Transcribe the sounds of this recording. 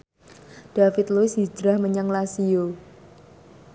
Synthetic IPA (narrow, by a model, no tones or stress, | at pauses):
d̥afɪt̪loɪsdid͡ʒɾahməɲaŋlasio